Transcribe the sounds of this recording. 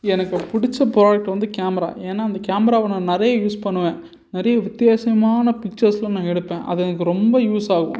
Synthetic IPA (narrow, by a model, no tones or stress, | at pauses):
ɛnɐkːɯpʊɽɪt͡ʃːɐpɾoːjɐk̚ʈːʋɐnd̪ɯkaːmɐɾa̰ːʔeːnːaːɪnd̪ɐkaːmɐɾaːʋɐnːɐ̃nɪɾɐjɐjuːspɐɳːɯʋẽː | nɪɾɐjɐʋɪt̪ːɪjaːsɐmaːnɐpɪk̚t͡ʃɐɾslɐ̃nãːɛɽɯpːẽːʔɐ̰ðɯɛnɐkːɯɾɔmbɐjuːsaːɣɐʋʊ̰̃